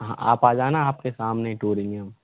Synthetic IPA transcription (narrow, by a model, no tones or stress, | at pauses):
ɦã̰a̰ːpaːd͡ʒaːnaaːp̚kesaːmneʈuːɾeːnijəm